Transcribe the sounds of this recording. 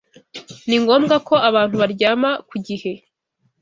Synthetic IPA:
niŋɡo̞ːmɡako̞aβaːn̥huβaɾɟaːmakuɟihe̞

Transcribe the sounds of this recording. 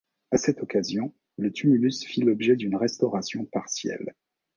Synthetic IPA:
asɛt̪ɔkazjɔ̃ | lət̪ʰymylysfilɔbʒɛd̪ynʁɛst̪ɔʁasjɔ̃paʁsjɛ̰l

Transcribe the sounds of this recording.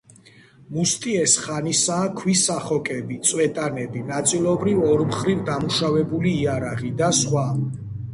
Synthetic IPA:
must̪ʼiɛsχanisaːkʰwisaχɔkʼɛbit̪sʼwɛt̪ʼanɛbinat̪sʼilˠɔbɾivɔɾmχɾivd̪amuʃavɛbuliːaɾaʁid̪asχwa

